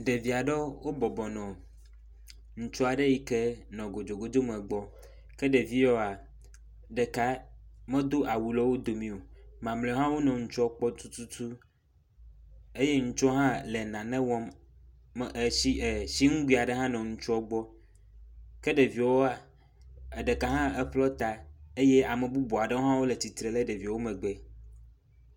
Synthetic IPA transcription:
ɖe˨vi˨a˨ɖɛ˦wo˦bɔ˨bɔ˨nɔ̃˨ | ŋ̩˦t͡ʃɔ˦a˨ɖe˦ji˦ke˦nɔ̃˨ɡo˨d͡ʒo˨ɡo˦d̪o˦mɛ̃˨ɡ͡bɔ˦ | kɛ˦ɖe˨vi˦jɔ˦a˨ | ɖɛ˨ka˦mɛ̃˦d̪o˦ʔa˨wu˨lɔ˦wo˦d̪o˨mĩ˦o˨mã˨mlɛ˨˦ɦã˦wo˦nɔ̃˨ŋ̩˦t͡ʃɔ˦k͡pɔ˦t̪u˦t̪u˦t̪u˦ | e˦je˦ŋ̩˦t͡ʃɔ˦ɦã˦lɛ˨nã˨nɛ̃˦wɔ̃˦m˨ | i˦˨si˦ŋũ˦ɡ͡bi˦˨a˨ɖɛ˦ɦã˦nɔ̃˨ŋ̩˦t͡ʃɔ˦ɡ͡bɔ˦ | kɛ˦ɖe˨vi˨˦wo˦a˨ | e˨ɖɛ˨ka˨ɦã˦ɛ˦ɸlɔ˦t̪a˨e˦je˦a˨mɛ˨bu˦bɔ˨a˨ɖɛ˦wo˦ɦã˦wo˦lɛ˨t̪i˨t̪ɾe˨lɛ˦ɖe˨vi˨wo˦mɛ̃˨ɡ͡bɛ˦

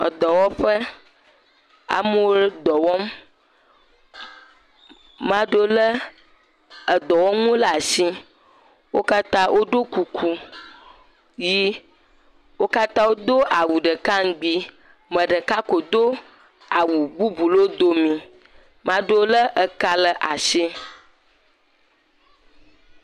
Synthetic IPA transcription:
ə̰˨d̪ɔ˨wɔ˦ɸə˦ | a̰˨mə˦wo˦d̪ɔ˨wɔ˦m | mã˦ɖo˦lə˦ | ə˨d̪ɔ˨wɔ˦m˦ŋo˦la˨si˦ | wo˦ka˦t̪ã˦wʔo˦ɖo˦ku˨kʰu˦ | ji˦ | wo˦ka˦t̪ã˦wo˦d̪o˦ʔa˨wu˨ɖə˨ka˦ŋ˦ɡ͡bi˦ | mə̃˨ɖə˨ka˦ko˨d̪o˦ | a˨wu˨bu˦bu˨lo˦d̪o˦mĩ˨ | mã˦ɖo˦lə˦ʔə˨ka˦lə˨ʔa˨ʃi˦

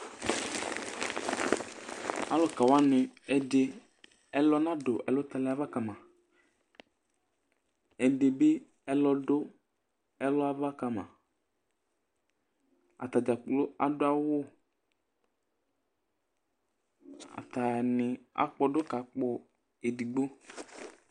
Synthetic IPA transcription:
a˦lɔ˨ka˨wa˦nɪ˨ɛ˨de˨ | ɛ˦lɔ˦nã˦do˨ʔɛ˨lɔ˦t̪a˨la˨˦va˦ka˨mã˨ | ɛ˨de˨be˦ | ɛ˦lɔ˨ɖo˦ | ɛ˦lɔ˦a˦va˦ka˨mã̰˨ | a̰˨t̪a˨d͡ʒa˨k͡plo˦a˨dʊ˦a˦wʊ˦ | a̰˨t̪a˨nɪ˨a̰˨k͡pɔ˦ɖʊ˦ka˨k͡pɔ˨ | e˨di˨ɡ͡bo˦

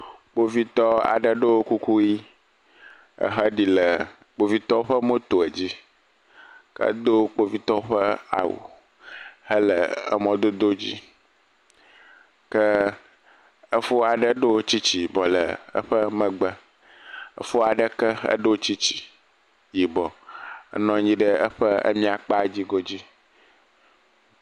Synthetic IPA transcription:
k͡po˦vi˦t̪ɔ˦a̰˨ɖə˦ɖo˦wo˦ku˦ku˦ji˦ | ə̰˦ɦə˦ɖi˨lə˨ | k͡po˦vi˦t̪ɔ˦ɸə˦mo˦t̪o˨ɛ˨d͡ʑi˦ | kə̰˦d̪o˦k͡po˦vi˦t̪ɔ˦ɸə˦a̰˨wṵ˨ | hə˦lə̰˨ə̰˦mɔ̃˦d̪o˦d̪o˦d͡ʑḭ˦ | kə˦ | ə˦fo˦a˨ɖə˦ɖo˦t͡ɕi˦t͡ɕi˨bɔ˨lə̰˨ə̰˦ɸə˦mə̃˨ɡ͡bə˦ | ə̰˦fo˦a˨ɖə˦kə˦ə̰˦ɖo˦wt͡ɕi˦t͡ɕi̥˨ | ji˨bɔ˨ə̰˦nɔ̃˨ɲĩ˦ɖə˦ə˦ɸə˦ə̰˦mĩ˦a˨k͡pa˦˨d͡ʑi˦ɡɔ˦d͡ʑi˦

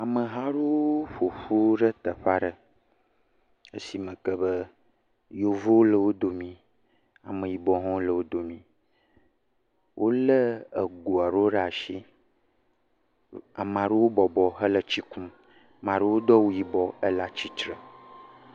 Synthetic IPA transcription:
a˨mə˨ɦã˦ɖo˦wɸo˨ɸu˦ɖə˦t̪ə˨ɸa˦ɖə˦ | ḛ˦si˨mə̃˨kə˦bə˦ | jo˨vo˦wo˦lə˦˨wo˦d̪o˨mĩ˨ | a̰˨mə̃˨ji˨bɔ˨ɦɔ̃˦lə˨wo˦d̪o˨mĩ˨ | wʔo˦lə˦ə˨ɡu˨a˨ɖo˦ɖa˨ʃi˦ | a˨mã˨ɖu˦wo˦bɔ˨bɔ˨ɦə˦lə˨t͡ɕi˦kũ˦ | mã˨ɖe˦wo˦d̪ɔ˦wu˦ji˨bɔ˦ə˦la˦t͡ɕi˦t͡ʃɾə˨

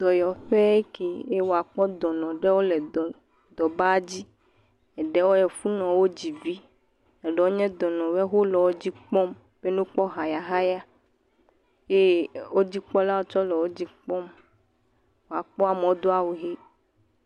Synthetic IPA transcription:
d̪̥ɔ˨jɔ˨ɸe˦e˦ke˨e˦wo˨a˨k͡pɔ˦d̪ɔ˨nɔ̃˨ɖe˦wo˦lɛ˨d̪ɔ˨ | d̪ɔ˨ba˦d͡ʑi˦ | ɛ˨ɖe˦wo˦jɛ˨fu˦nɔ̃˨wo˦d͡ʑi˨vi˦ | ɛ˨ɖɛ˨wo˦ɲɛ̃˦d̪ɔ˨nɔ̃˨wɛ˦ɦo˦lɔ˨wo˦d͡ʑi˦k͡pɔ˦m | b̥e˦nũ˦k͡pɔ˦ɦa˨ja˨ɦa˦ja˦ | je˦wo˦d͡ʑi˦k͡pɔ˦la˦wo˦t͡ʃɔ˦lɔ˨wo˦d͡ʑi˦k͡pɔ˦m | wo˨a˨k͡pɔ˦a˨mẽ˨wo˦d̪o˦a˦˨wo˨ɦe˦

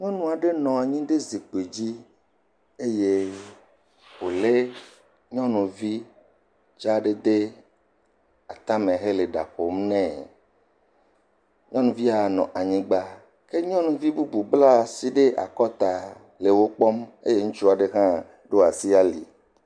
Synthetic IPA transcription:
ɲɔ̃˦nũ˦˨a˨ɖe˦nɔ̃˨a˨ɲĩ˦ɖe˦zi˨k͡pe˨d͡ʑi˦ | e˦je˦ | wo˨le˦ | ɲɔ̃˦nũ˨vi˦ | d͡ʒa˦ɖe˦d̪e˦ | a˨t̪a˦mẽ˨ɦe˦le˨ɖa̰˨ɸo˨mnɛ̃˨ | ɲɔ̃˦nũ˨vi˦a˨nɔ̰̃˨ʔa˨ɲĩ˦ɡ͡ba˦ | ke˦ɲɔ̃˦nũ˨vi˦bu˦bu˨bla˦˨si˦ɖe˦ʔa̰˨kɔ˦t̪a˨ | le˨wo˦k͡pɔ˦mḛ˦je˦ŋũ˦t͡ʃu˦a˨ɖe˦ɦã˦ | ɖo˦a˨si˦a˦li˨

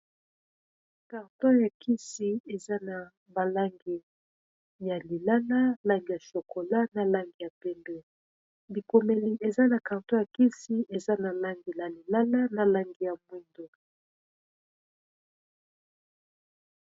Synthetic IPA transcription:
ka˨ʁtɔ˦ja˨kʰi˦si˦e˨za˦na˨ | ba˨la˦ŋɡi˨ | ja˨li˨la˦la˦la˦ŋɡi˨ja˨ʃo˨ko˨la˦na˨la˦ŋɡi˨ja˨pɛ˦mbɛ˦˨ | bi˨ko˨mɛ˨li˨ʔe˨za˦na˨ka˨ʁtɔ˦ja˨ki˦si˦ʔe˨za˦na˨la˦ŋɡi˨la˨li˨la˦la˦na˨la˦ŋɡi˨ja˨mwi˦ndo˨

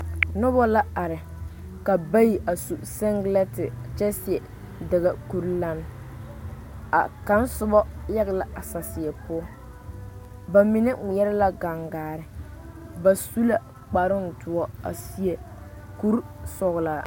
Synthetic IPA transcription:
nʊ˦bɔ˦la˦a˨ɾɪ˨ | ka˨ba˦ji˨ʔa˨su˨sɛ˦ŋɡlɛ˦tɪ˨t͡ʃɛ˦sɪ˨ɛ˨ | dɛ˨ɣa˦ku˦ɾla˦n˦ | a̰˨ka˦n˦sʊ˦bɔ˦jɛ˦ɣɛ˦la˨a˨sa˨sɪ˨ɛ˨pʊ˦ɔ˦ | ba˨mi˨nɛ˦ŋ˨jɛ˦ɾɛ˦la˦ɡa˨ŋɡaː˨ɾɪ˨ | ba˨su˦la˦ | k͡pa˨ɾʊ˦n̩˨tʊ˨ɔ˦a̰˨si˦e˨ | ku˦ɾsɔ˨ɣlaː˨

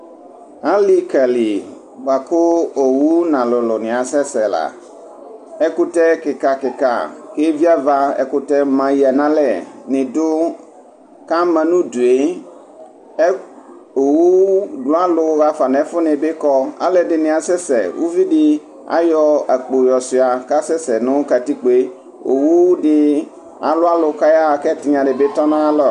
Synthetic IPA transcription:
ã˦li˦kɛ˨li˨ | ɡ͡ba˨kʊ˦o˨wu˦nã˨lʊ˨lʊ˨nɪ̃˨a˨sɛ˦sɛ˨la̰˨ | ɛ˦ku˦t̪ɛ˦kɪ˨ka˨kɪ˨ka̰˨ke˦vi˦a˦va˦ɛ̰˦ku˦t̪ɛ˦mã˨ji˨ɛ˨nã˦lɛ˦˨nɪ̃˨dʊ˦ | ka˦mɛ̃˨nũ˦du˨e˦ | ɛ˦ | o˨wu˦dʊ˦a˦lʊ˦ɣa˦fa˨nɛ̃˨˦fʊ˦nɪ̃˨bɪ˦kɔ˦a̰˦lɛ˨dɪ˨nɪ̃˨a˨sɛ˦sɛ̰˨wʔṵ˦vi˦dɪ˦ | a̰˦jɔ˦a˨k͡po˨jɔ˨sɪ˨a˨ka˦sɛ˦sɛ˨nʊ̃˦ka˨ti˦k͡pe˦ | o̰˨wu˦dɪ˦ | a̰˨lʊ˦a˦lʊ˨ka˦ja˦˨kɛ˦˨tɪ˨ɲã˨dɪ˨be˦tɔ˦nã˦lɔ˨

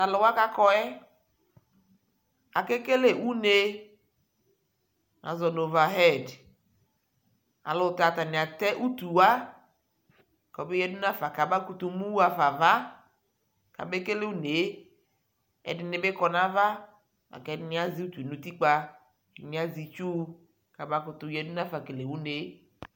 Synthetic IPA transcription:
a˨lɔ˨wa˦ka˦kɔ˦ɛ˦ | a˨ke˦ke˦le˦wu˦ne˦ | na̰˨zɔ˨no˨va˨ɦɛ˦˨d | a̰˨lo˨ta˨t̪a˨ni˨a˨t̪ɛ˦ʔu˦t̪u˨wa˦ | kɔ˨be˦jɛ˦du˦nã˦fa˨ka˨ba˦ku˦t̪u˧mũ˦wu˦a˨fa˨va˦ | ka̰˨be˦ke˦le˦wu˦ne˨˦ | ɛ̰˨dɪ˨ne˨be˦kɔ˦nã˦va˦ | a̰˨kɛ˨˦˨ɪ˨˦nĩ˦a˦zi˦u˦t̪u˨nũ˦t̪i˦k͡pa˦˨ | mĩ˦a˦zi˨t͡ʃu˦ | ka˨ba˦kʊ˨t̪u˨jɛ˦du˦nã˦fa˨ke˨le˨wu˦ne˨

